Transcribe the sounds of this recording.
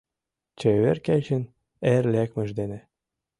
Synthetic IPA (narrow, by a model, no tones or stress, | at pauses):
t͡ɕeβerkæt͡ɕən | erlækmə̆ʒd̪enĕ